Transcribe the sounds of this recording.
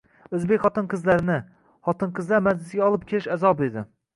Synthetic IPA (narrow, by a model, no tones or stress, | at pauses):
ɵzbekʲχɒt̪ɨnqʰɨzlæɾɪnɪ | χɒt̪ɨnqʰɨzlæɾmæd͡ʒlɪsɪɡʲɛɒlˠɨp̚kʲʰelɪʃæzɒbed̪ɪ